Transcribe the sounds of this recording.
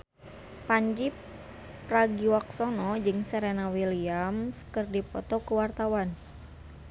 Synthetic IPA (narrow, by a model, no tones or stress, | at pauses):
paɲd͡ʒi | pɾaɡiwak̚sɔnɔd͡ʒɨŋsəɾenawiliamsə̥kərdipɔt̪ɔkəwart̪awan